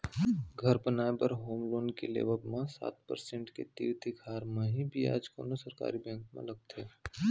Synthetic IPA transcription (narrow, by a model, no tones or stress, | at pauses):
ɡʱɐɾbənaːebɐɾɦoːmloːnkelḛːʋəbmẽsa̰ːt̪pə̰ɾsẽɳʈket̪ḭːɾt̪ikʰaːɾmẽɦĩbʱia̰ːd͡ʒko̰ːnosəɾka̰ːɾibə̃ŋkmḛ̃lɐɡ̚t̪eː